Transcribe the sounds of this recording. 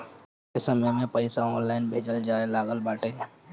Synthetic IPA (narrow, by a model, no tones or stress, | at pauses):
esɐməjmẽpəɪsaɔːnlaːɪnbʱeːd͡ʒəld͡ʒaːelaːɡəlbaːʈẽɛ